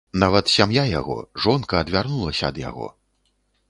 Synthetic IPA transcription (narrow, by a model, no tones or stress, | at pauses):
navɐt̪sʲamjaja̰ɣɔ̰ʐɔnkɐːd̪vʲarnulˠɐsʲɐːd̪ja̰ɣɔ̰